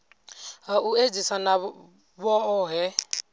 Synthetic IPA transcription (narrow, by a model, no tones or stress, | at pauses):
aued͡zisana | βɔɔɦɛ